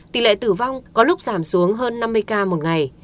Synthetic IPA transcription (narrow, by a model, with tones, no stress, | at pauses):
t̪i˨˩lḛ˧˨t̪ɨ˧˩va˧wŋ͡mkɔ˨˦lʊ˦˥k͡p̚zaː˧˩msu˨˦əŋɦəː˧nːa˧mːɨ˧əjkaː˧mo˨˩t̚ŋa˨˩j